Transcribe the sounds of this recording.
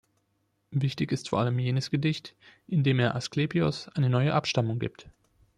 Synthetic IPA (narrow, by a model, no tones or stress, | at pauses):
vɪçtɪçɪstfoːɐʔaləmjeːnəsɡ̥ədɪçtʔɪndeːmeːɐʔaskleːpiʊ̰sʔaɪnənɔʏəʔapʃtamʊŋɡḭːp̚t